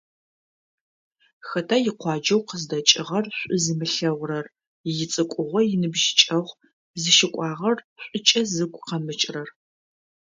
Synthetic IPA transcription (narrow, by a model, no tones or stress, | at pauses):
xɐtʰajɪqʷɑːd͡ʒɐwqəzdɐt͡ʃʼɪʁɐrɕʷʼʊzɨmɨɬɐwrɐr | jɪt͡sʼɨkʷʼʊʁʷɔjɪnɨbʒɪt͡ʃʼɐʁʷ | zɨʃɪkʷʼɑːʁɐrɕʷʼʊt͡ʃʼɐzɨɡʷqɐmɨt͡ʃʼrɐr